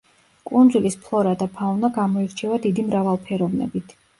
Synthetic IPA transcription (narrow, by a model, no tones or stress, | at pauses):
kʼund̪zulispʰlˠɔɾad̪apʰaunaɡamɔiɾt͡ʃʰɛvad̪id̪imɾavalˠpʰɛɾɔvnɛ̰bit̪ʰ